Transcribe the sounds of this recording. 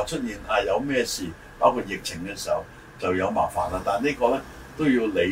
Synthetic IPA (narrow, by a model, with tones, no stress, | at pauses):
t͡ʃʰɵ˥t̚jiː˨˩naː˧jɐ˨˧wmɛː˥˧siː˨˩ | paː˨˥kʰu˧t̚jɪ˨k̚t͡sʰɪ˨˩ŋkɛː˧siː˨˩hɐ˨w | t͡sɐ˨wjɐ˨˧wma̰ː˨˩faː˨˩nlaː˧t̪aː˨˩nniː˥kɔː˧lɛː˥ | t̪o˥wjiː˧wle˨˧